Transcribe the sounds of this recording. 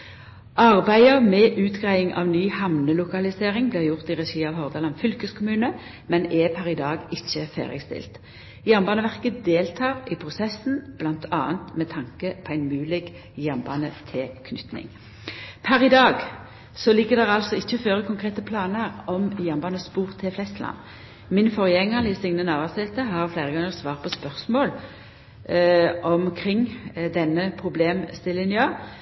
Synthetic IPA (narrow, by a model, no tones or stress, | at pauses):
ʔɑʁbæɪəmɛʔʉːt̪ɡʁæɪɪŋʔɑ̰ːʋnyːhɑmnəlʊkɑlɪseːʁɪŋblɪːʁjʊʁt̪iʁɛʃiːɑʋhɔʁd̪ɑlɑnfʏlkəskʰʊmʉːnə | mɛnɛpʰæʁɪd̪ɑːɡɪçːəfæ̰ːʁɪ̰st̪ɪ̰lt̪ | jæʁmbɑːnəʋæʁkəd̪eːlt̪ʰɑːʁɪpʰʁʊsɛsn̩b̥lɑnt̪ʰɑ̰ːənt̪mɛt̪ʰɑŋkəpʰɔæɪnmʉːlɪɡ | jæʁnbɑ̰ːnət̪ʰɪlkʰnʏt̪nɪ̰ŋ | pʰæɾɪd̪ɑːɡ | sɔlɪɡəd̪ɛʁɑlsɔɪçːəɔføːʁəkʰʊŋkʰʁeːt̪əpʰlɑːnəʁɔmjɑmbɑnəspuːʁt̪ʰɪflɛst̪lʔɑ̰nː | mɪnfɔʁjɛŋːəʁlɪsɪŋnənɑːʋɑsɛt̪əɦɑʁflæɪʁəɡɑŋːəʁsʋɑːʁpʰɔspœʁsmoːl | ʔɔmkʰʁɪŋd̪ɛnːəpʰʁʊbleːmst̪ɪlɪnjɑ